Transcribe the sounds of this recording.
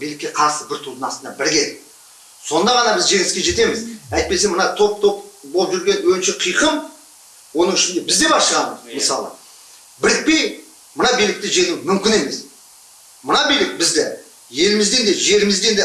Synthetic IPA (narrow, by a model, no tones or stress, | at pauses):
bijlɪkʲːe̞qʰɑɾsəbɪɾt̪ʰud̪ənɑsənd̪ɑbɪɾɡʲeɾek | so̞nd̪ɑʁɑnɑbɪzʒe̞ŋɪskʲeʒe̞t̪e̞mɪzæjt̪̚pe̞s̬emənɑt̪ʰo̞p̚t̪ʰo̞pbolˠəp̚ʒʏɾɡʲe̞nwɵɪnʃeqʰijqʰəm | wo̞nəŋɪʃɪnd̪e̞bɪzd̪e̞bɑʃəʁɑnəzməsɑlˠə̰ | bɪɾɪk̚pe̞j | mənɑbijlɪk̚t̪ɪʒe̞nuwmʏmkʲɪne̞me̞s | mənɑbijlɪk̚bɪzd̪ɪ | je̞lɪmɪzd̪e̞nd̪e̞ʒe̞lɪmɪzd̪e̞nd̪e